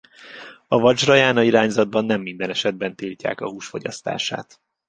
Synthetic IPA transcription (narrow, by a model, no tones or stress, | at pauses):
ɒvɒt͡ʃrɒjaːnɒiɾaːɲzɒd̪̚bɒnːɛmːind̪ɛnɛʃɛd̪̚bɛnt̪ilca̰ːkɒhuːʃfo̞ɟɒ̰st̪a̰ːʃa̰ːt̪